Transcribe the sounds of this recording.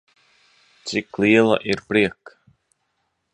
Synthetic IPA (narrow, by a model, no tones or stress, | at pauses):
t͡sɪkliəlˠa̰ʔiɾpɾiək